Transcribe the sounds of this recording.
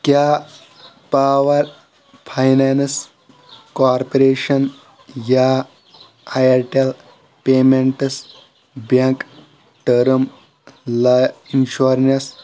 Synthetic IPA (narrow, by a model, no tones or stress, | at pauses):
kjaː | paːʋɐɾ | pʰajnans | kaːɾpɐɾeːʃɐn | jaː | ajɐɾʈel | peːmeɳʈɨs | baŋk | ʈɐɾm | lɐinʃuɾnes